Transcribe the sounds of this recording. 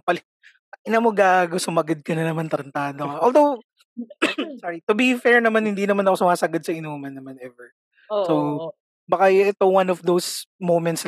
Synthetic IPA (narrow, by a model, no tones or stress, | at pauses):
pɐlɛ | ɐʔɪnɐmoɡaːɡosʊmɐɡɐd̪̚kɐnɐnɐmant̪ɾɐnt̪aːd̪oɐʔold̪ow | saɹit̪ʊbifɛɹnɐmanhɪnd̪inɐmanɐko̞sʊmaːsɐɡɐd̪sɐɪnoːmɐnːɐmanɛvɛɹ | sow | bɐkajʔɛt̪owanɔfd̪owsmowmɛnt̪s